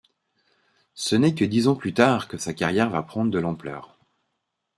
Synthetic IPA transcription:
sənɛkəd̪izɑ̃plyt̪aʁkəsakaʁjɛʁva̰pχɑ̃d̪ʁəd̪əlɑ̃plœ̰ːʁ

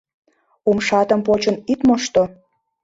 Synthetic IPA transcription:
umʃɑt̪ə̆mpot͡ɕə̆nit̪moʃt̪o

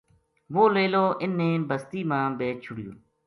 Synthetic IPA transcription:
ʋoːleːloːʔɪnːeːnbəst̪iːmãːbeːt͡ʃʰʊɽɪjõ̰ː

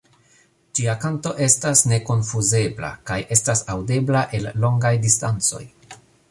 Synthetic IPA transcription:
d͡ʒiakanto̞ʔe̞stasne̞ko̞nfuze̞bla̰kaje̞stasawde̞blaʔe̞lːo̞ŋɡajdistant͡so̞̰j

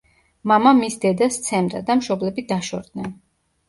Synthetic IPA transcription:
mamamisd̪ɛd̪ast̪sʰɛmd̪a̰d̪amʃɔblɛbid̪aʃɔ̰ɾd̪nɛn

